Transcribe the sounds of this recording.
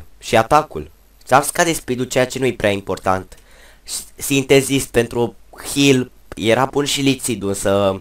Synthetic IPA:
ʃiat̪akṵl | safskad̪espid̪ut͡ʃe̞jat͡ʃe̞nujepɾeaimpo̞rt̪ant̪ | sint̪ezist̪̚pe̞nt̪ɾuhil | jeɾapunʃilit̪sid̪uɨnsə

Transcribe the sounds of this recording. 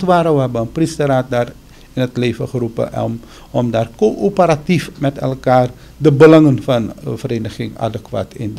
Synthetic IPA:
tʋaːɾəʋəɦɛbəənpristəraːt̚daːr | ɪnətleːvəχərupə̰ | ɔmdaːrkoʔopəɾatifmɛtɛ̰lˠkaːr | dəbəlɑŋənfɑnvəɾeːnəχɪŋa̰dəkʋa̰ːtʰɪ̰n

